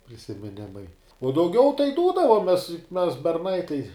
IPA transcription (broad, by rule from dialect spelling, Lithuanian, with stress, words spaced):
pʲrʲɪsʲɪmʲɪˈnʲɪmɐɪ uɔ dɐʊˈɡʲɛʊ tɐɪ ˈduːdɐʋoːmʲɛs jʊk mʲɛs bʲɛrˈnɐɪ tɐɪ